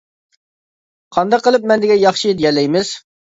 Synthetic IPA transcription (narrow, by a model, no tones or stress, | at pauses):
qʰɑnd̪ɑqʰːəlˠɨp̚mɛnd̪ɪɡʲɛjɑχʃid̪ɪjɛlːɛjmɪz̥